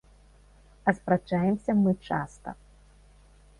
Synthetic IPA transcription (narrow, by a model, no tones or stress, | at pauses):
ɐspɾat͡ʂajɛmsʲɐmɨt͡ʂa̰st̪ɐ̰